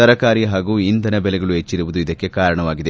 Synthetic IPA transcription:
ɐɾɐkaːɾiɦaːɡuːind̪ɐnɐbɛlɛɡɐɭuɦet͡ʃːiɾuʋud̪uid̪ɐkːe̞kaːɾɐɳɐʋaːɡid̪e

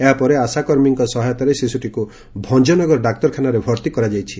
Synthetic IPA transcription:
eɦapɔɾeasakɔɾmiŋkɔsɔɦajɔt̪aɾesisuʈʰiku | bʱɔnd͡ʒɔnɔɡɔɾɔɖak̚t̪ɔɾkʰanaɾebʱɔɾt̪ikɔɾad͡ʒajt͡ʃʰi̥

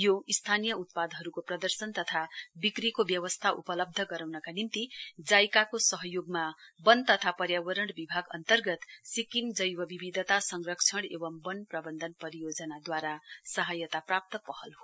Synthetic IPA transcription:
joist̪ʰanijʌut̪̚pad̪ɦʌɾukoprʌd̪ʌrsʌnt̪ʌt̪ʰabikrikobjʌwʌst̪ʰaʔupʌlʌb̚d̪ʱʌɡʌɾawnʌkanimt̪id͡zajkakosʌɦʌjoɡmabʌnt̪ʌt̪ʰapʌɾjawʌɾʌɳɽbibʱaɡʌ̰nt̪ʌrɡʌt̪sikind͡zʌjwʌbibid̪ʱʌt̪asʌŋrʌkt͡sʰʌɽebʌmbʌnprʌbʌnd̪ʱʌnpʌɾijod͡zʌnad̪waɾasʌɦʌjʌt̪aprap̚t̪ʌpʌhʌlɦo

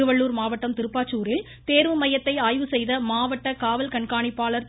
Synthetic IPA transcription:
ɯʋɐɭːuːɾmaːʋɐʈːɐmt̪ɪɾɯpːaːt͡ʃːuːɾɪl | t̪eːɾʋɯmɐjɐt̪ːɐɪaːjʋɯsɛjðɐmaːʋɐʈːɐkaːʋɐlkɐɳkaːɳɪpːaːɭɐɾ

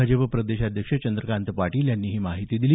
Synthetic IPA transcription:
ad͡ʑəpəpɾəd̪eɕad̪ʱjəkʂət͡ɕənd̪ɾəkant̪əpaʈiːljanːiːɦiːmaɦit̪iːd̪ili

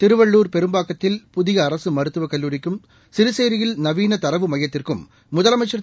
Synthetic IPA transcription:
t̪ɪɾɯʋɐɭːuːɾpɛɾɯmbaːkːɐt̪ːɪlpʊðɪɣɐːɾɐsɯmɐɾɯt̪ːɯʋɐkɐlːuːɾɪkːɯm | sɪɾɯseːɾɪjɪlnɐʋiːnɐt̪ɐɾɐʋɯmɐjɐt̪ːɪrkɯmː | ʊðɐlɐmɐɪt͡ʃːɐɾɐ

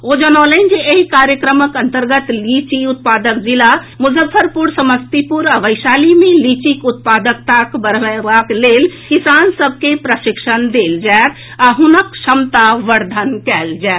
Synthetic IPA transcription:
od͡ʒənalənd͡ʒeeɦikaɾjəkɾəməkənt̪əɾɡət̪lit͡ʃiut̪̚pad̪əkd͡ʒila | muzəfʰəɾpuɾsəməst̪ipuɾaʋəɪsalimelit͡ʃikut̪̚pad̪əkt̪akbəɾʋəʋaklelkisansəb̚ʱkepɾəʃikʃənd̪eld͡ʒaet̪ | aɦunəkʃəmt̪aʋəɾd̪ʱənkɛld͡ʒaɛt̪

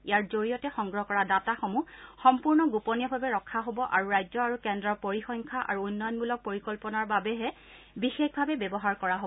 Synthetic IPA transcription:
ijaɹzoɹijɔtɛxɔŋɡɹɔɦɔkɔɹadataxɔmuxɔmpuɹnɔɡupɔnijɔbʱabɛɹɔkʰːaɦobɔʔaɹuɹajzɔaɹukɛndɹɔpoɹixɔŋkʰaʔa̰ɹuːnːɔjɔnbulɔk̚poɹikɔlpɔnaɹbabɛɦɛ | bixexbʱabɛbɛbɔɦaɹkɔɹaɦo

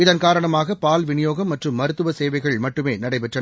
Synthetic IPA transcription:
ɪðɐnkaːɾɐɳɐmaːɣɐpaːlʋɪnɪjoːɣɐmːɐʈrɯmːɐɾɯt̪ːɯʋɐseːʋɐɪɣɐɭmɐʈːɯmeːnɐɽɐɪpɛʈrɐ

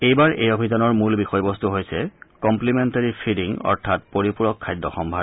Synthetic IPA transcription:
ejbaɹʔejobʱizanɔɹmulbixɔjbɔstuɦojsɛkɔmplimɛntaɹipʰidiŋɔ̰ɹtʰat̚poɹipuɹɔkʰːajdːɔxɔmbʱa

